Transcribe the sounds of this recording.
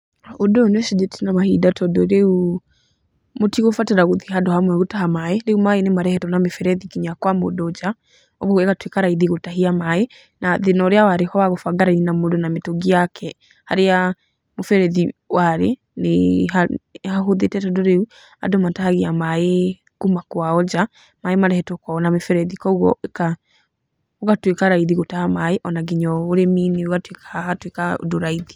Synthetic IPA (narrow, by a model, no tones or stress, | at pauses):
odonwɛʃid͡ʒetinamahidatɔdɔɾeu | motiɣofateɾaɣoðiɦadɔhamwɛɣotahamaeɾeumaenemaɾɛhɛtɔnamefɛɾɛðikiɲakwamo̰dɔd͡ʒa | ɔɣoɣɛkatwekaɾaiðiɣotaɦiamae | naðenɔɾeawaɾehɔwaɣofaɡaɾainamodonametoɡiakʰɛ | ha̰ɾea | mofɛɾɛðiwaɾḛ | neahaɦoðetɛtɛdoɾeu | a̰domatahaɣeamae | kumakwaɔd͡ʒa | maemaɾɛhɛtokɔnamefɛɾɛðikɔɣɔeka | oɣatwekaɾaiðiɣotahamaeʔɔnaɡiɲɔoɾemineoɣatwekḁahatwekao̰doɾaiði